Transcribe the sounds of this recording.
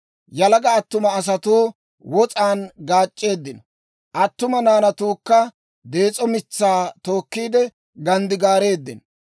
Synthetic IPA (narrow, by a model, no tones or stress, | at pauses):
jɐlɐɡɐːt̪ːʊmɐːs̬ɐt̪uː | wɔt͡sʼaːnɡaːt͡ʃʼːe̞ːd̪ːɪnɔ | ʔɐt̪ːʊmɐnaːnɐt̪uːkːɐ | d̪e̞ːt͡sʼɔmɪt͡sːaːt̪o̞ːkːiːd̪ɛ | ɡɐnd̪ɪɡaːɾe̞ːd̪ːɪn